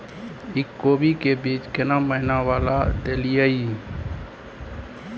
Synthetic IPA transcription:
ɪkːoːbikebiːt͡ʃkenaməɦɪnawaːlad̪elijai

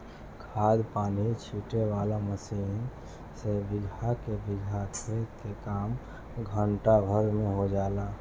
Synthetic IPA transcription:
kʰaːd̪paːnit͡ʃʰiːʈeʋaːlaməsiːn | sebɪɡʱakebɪɡʱatʰet̪kekaːm | ɡʱəɳʈabʱəɾmẽɦod͡ʒaːla

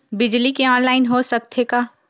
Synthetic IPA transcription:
bɪd͡ʒlikeɔ̃ːnlaːɪnɦosɐk̚t̪ʰekaː

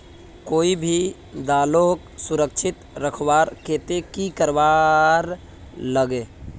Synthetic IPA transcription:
koibʱi | d̪aloksuɾək̚t͡ʃʰɪt̪ɾəkʰʋaɾket̪ekikəɾʋaɾ | ləɡe

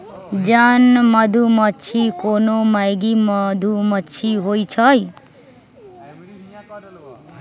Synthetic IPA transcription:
d͡zanmʌd̪ʱumʌt͡sʰikonomajɡimʌd̪ʱumʌt͡sʰiɦojt͡sʰʌj

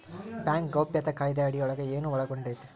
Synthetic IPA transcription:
bʲjaːŋkɡɐwpjɐt̪ɐkaːjd̪ɐɐɽijɔɭɐɡɐeːnuʋɐɭɐɡoɳɖejt̪ːe̥

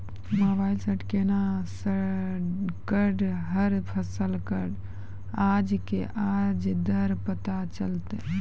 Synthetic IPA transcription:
mobailsəʈkenasə | kəɖɦəɾpʰəsəlkəɖ | ad͡ʒkḛʔad͡ʒd̪əɾpət̪at͡ʃəlt̪ɛ

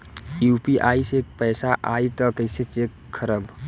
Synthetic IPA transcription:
jupiʔaːisek̚pəːsaʔait̪ɔkəɪset͡ʃekʰːəɾəb

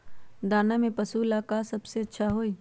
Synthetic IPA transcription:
d̪aːnamẽpɐsulaːkasɐbseɐtːʃʰaɦoːiː

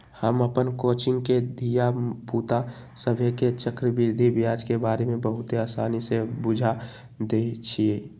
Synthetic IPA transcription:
həməpənkoːt͡ʃɪ̃ŋɡked̪ʱijapuːt̪a | səbʱeket͡ʃəkɾəbɪɾd̪ʱibjaːd͡ʒkebaːɾemẽbəɦʊt̪eaːsaːnisebʊd͡ʒʱa | d̪eit͡ʃʰie

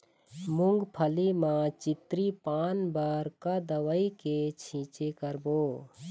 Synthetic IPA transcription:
mʊŋɡpʰəlimãt͡ʃit̪ɾipanbaɾkad̪əwəiket͡ʃʰĩt͡ʃekəɾbo

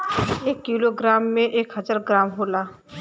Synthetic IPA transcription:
eːkːiːloɡɾaːmːẽʔeːkɦəzaːɾɡɾaːmɦoːlaː

